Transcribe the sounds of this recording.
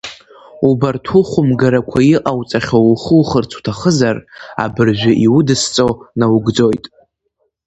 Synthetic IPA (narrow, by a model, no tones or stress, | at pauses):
ubartʰuχʷʊmɡaɾakʷʰaiqʼawt͡sʼaχʲouχəwχərt͡sʰu̥tʰaχəzara̰bɨrʒʷᶣɪʔiwʊdɨst͡sʼonawɡd͡zojtʼ